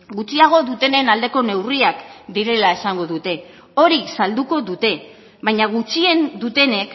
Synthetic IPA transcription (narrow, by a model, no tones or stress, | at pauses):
ɡut͡siaɣ̞o̞ðut̪e̞ne̞nald̪e̞ko̞ne̞wriakd̪iɾe̞lae̞saŋɡo̞ðut̪e̞ | o̞ɾisald̪uko̞ðut̪e̞ | βajɲaɣ̞ut͡ʃie̞nd̪ut̪e̞ne̞k